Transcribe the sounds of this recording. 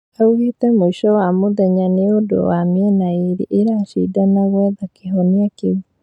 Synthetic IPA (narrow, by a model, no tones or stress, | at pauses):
auɣitɛmoiʃɔwamoðɛɲaneodo̰wamiɛnaiɾḭʔeɾaʃḭdanaɣwɛðakeɦɔniakeβu